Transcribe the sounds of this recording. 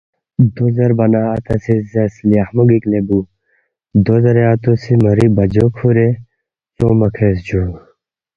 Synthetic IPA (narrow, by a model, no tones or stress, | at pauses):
d̪ozɐɾbɐnaːɐt̪ɐsizesliahmuɡiklebu | d̪ozɐɾeat̪osimɐɾibɐd͡ʒokʰuɾe | soːmɐkʰes̬d͡ʑo